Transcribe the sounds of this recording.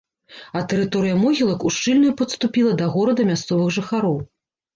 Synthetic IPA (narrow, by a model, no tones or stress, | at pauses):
ɐt̪ɛɾɨt̪ɔɾɨjɐmɔɣʲilˠɐkuʂt͡ʂɨlʲnujupɐt̪st̪upʲilˠɐd̪ɐɣɔɾɐd̪ɐmʲast̪sɔvɨɣʐɨxaɾɔw